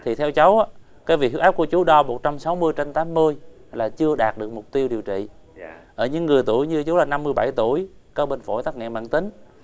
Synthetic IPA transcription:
t̪ʰi˨˩t̪ʰɛ˧wt͡ɕə˨˦wʔaː˦ | kaː˨˦jvi˨˩ɦi˦˥wʔaː˦˥p̚ku˧˩ət͡ɕu˨˦ɗɔ˧mo˨˩t̚t͡ɕa˧msa˨˦wmɨ˧əjt͡ɕe˧nt̪aː˨˦mːɨ˧əjlaː˨˩t͡ɕɨ˧əɗaː˨˩t̚ɗɨ˨˩ək̚mʊ˨˩k͡p̚t̪i˧əwɗi˨˩əwt͡ɕḭ˧˨ʔəː˧˩ɲɨ̰˧˥ŋːɨ˨˩əjt̪u˧˩əjɲɨ˧t͡ɕu˨˦laː˨˩na˧mːɨ˧əjɓa˧˩jt̪u˧˩əjkɔ˨˦ɓe˧nfo̰˧˩jt̪aː˦˥k̚ŋɛ̰˧˨ma̰ː˧˨nt̪ï˨˦ŋ̟

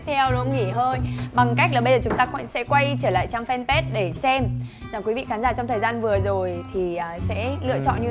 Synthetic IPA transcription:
t̪ʰɛ˧wlo˨˦ŋi˧˩ɦəː˧jɓa˨˩ŋka˦˥k̚laː˨˩ɓə˧jzəː˨˩t͡ɕʊ˨˦ŋ͡mt̪aː˧knsɛ̰˧˥kwa˧jt͡ɕəː˧˩la̰ː˧˨jt͡ɕaː˧mfɛ˧npe˦˥t̚ɗe˧˩sɛ˧mzaː˨˩kwi˨˦vḭ˧˨xa˨˦nzaː˧˩t͡ɕɔ˧wŋ͡mt̪ʰəː˨˩jzaː˧nvɨ˨˩əzo˨˩jt̪ʰi˨˩əː˨˩sɛ̰˧˥lɨ̰˧˨ət͡ɕɔ̰˧˨nɲɨ˧

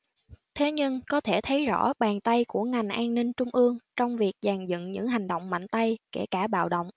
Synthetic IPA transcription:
t̪ʰe˨˦ɲɨ˧ŋkɔ˨˦t̪ʰe˧˩t̪ʰə˨˦jzɔ̰˧˥ɓaː˨˩ŋt̪a˧jku˧˩əŋa˨˩jŋ̟ʔaː˧nnï˧ŋt͡ɕʊ˧ŋ͡mʔɨ˧əŋt͡ɕɔ˧wŋ͡mvi˨˩ək̚zaː˨˩ŋzɨ̰˧˨nɲɨ̰˧˥ŋɦa˨˩jŋ̟ɗo̰˧˨wŋ͡mma̰˧˨jŋ̟t̪a˧jkḛ˧˩kaː˧˩ɓa̰ː˧˨wɗə̰˧˨wŋ͡m

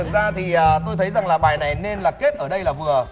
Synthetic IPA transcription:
ɨ˨˩zaː˧t̪ʰi˨˩ʔəː˨˩t̪o˧jt̪ʰə˨˦jza˨˩ŋlaː˨˩ɓaː˨˩jna˨˩jne˧nlaː˨˩ke˦˥t̚ʔəː˧˩ɗə˧jlaː˨˩vɨ˨˩ə

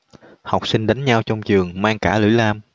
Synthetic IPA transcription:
ha˨˩wk͡p̚sï˧ŋɗa˨˦ŋɲa˧wt͡ɕɔ˧wŋ͡mt͡ɕɨ˨˩əŋmaː˧ŋkaː˧˩lɨ̰˧˥˦laː˧m

